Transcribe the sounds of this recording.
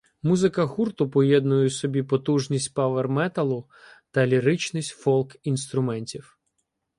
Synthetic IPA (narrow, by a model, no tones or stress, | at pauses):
muzɪkɐxurt̪ʊpɔjɛd̪nʊjʊsɔbʲipɔt̪uʒnʲisʲtʲpaʋermɛt̪ɐlˠʊ | t̪ɐlʲiɾɪt͡ʃnɪsʲtʲfɔlˠkinst̪ɾʊmɛnʲtʲiw